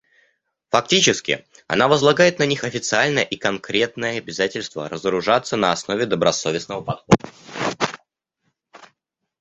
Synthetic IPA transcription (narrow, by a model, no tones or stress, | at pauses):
fɐk̚tʲit͡ɕɪskʲɪ̰ | ɐ̰navəzlˠɐɡajɪt̪nɐnʲixɐfʲɪt̪sɨalʲnəjəʔikɐnkɾʲe̞t̪nəjəɐbʲɪzatʲɪlʲst̪və̰ɾəzəɾʊʐat̪sːənəɐsno̞vʲɪd̪əbɾɐso̞vʲɪsnəvəpɐt̪xod̪ə